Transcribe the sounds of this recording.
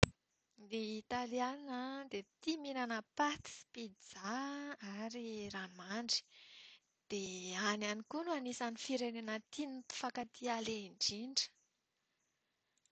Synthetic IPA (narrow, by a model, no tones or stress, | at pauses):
leit̪alianəd̪et̪iminanəpat̪i̥spid͡zaaɾiranmaɳɖ͡ʐi̥ | d̪̥eananikunuanisanifiɾeninat̪inipi̥fakat̪ʰialeiɳɖ͡ʐiɳɖ͡ʐə̥